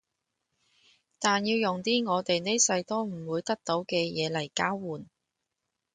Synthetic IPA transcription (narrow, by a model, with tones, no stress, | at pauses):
t̪aː˨njiː˧wjʊ˨ŋt̪iː˥ŋɔː˨˧t̪e˨jne˥sɐ˧jt̪ɔː˥m̩˨˩wuː˨˧jt̪ɐ˥k̚t̪o˨˥wkɛː˧jɛː˨˧lɐ˨˩jkaː˥wwuː˨n